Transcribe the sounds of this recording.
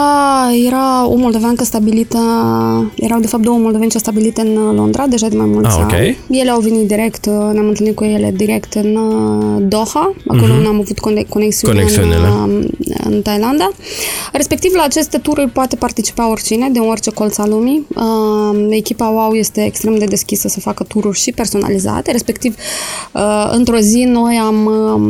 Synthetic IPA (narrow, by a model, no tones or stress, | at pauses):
əje̞ɾao̰mold̪o̞vankəst̪abilit̪ə | jeɾawd̪e̞fap̚t̪d̪owəmold̪o̞vent͡ʃawst̪abilit̪ɨnlo̞nd̪ɾʔad̪e̞ʒad̪emajmulsʲo̰a̰en̰nʲje̞le̞awvenit̪̚d̪iɾe̞kt̪neamɨnt̪ɨlnit̪̚kuje̞le̞d̪iɾe̞kt̪ɨn | d̪o̞xaa̰koloneamavut̪kko̞neksiuneeɨnu | ɨ̰nt̪ajland̪are̞spe̞k̚t̪ivlaːt͡ʃe̞st̪e̞t̪uɾurʲpoat̪e̞part̪it͡ʃi̥pao̞rʲt͡ʃine̞d̪enorʲt͡ʃe̞ko̞lt̪salumiəekʲipawawje̞st̪e̞̰ːkst̪ɾe̞md̪e̞d̪e̞skʲisəsəfakət̪uɾurʲʃipe̞rso̞na̰liza̰t̪e̞ɾe̞spe̞kt̪ivəɨ̰nt̪ɾo̞zino̞jam